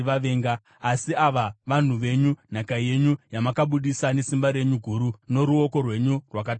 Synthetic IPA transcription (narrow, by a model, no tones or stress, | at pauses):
ʋaʋe̞ːŋɡaː | siaʋaʋan̤uʋe̞ɲun̤akaje̞ɲujamakaɓuɗisane̞simbaɾe̞ɲuɡʱuɾuno̞ɾuo̞ko̞rwe̞ɲurwak̬ata